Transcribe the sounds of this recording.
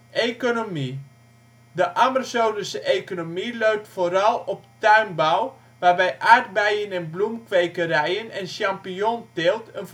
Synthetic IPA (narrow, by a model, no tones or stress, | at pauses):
ʔejkonomi | dəʔamasowdəsəʔejkonomiløɥp̚tfoːɾɑlˠɔp̚tœɥnbaw | ʋaːrbɛjʔaːɹd̚bɛjənɛnblumkʋejkəɾɛjənɛnʃampiɔntɪlˠtən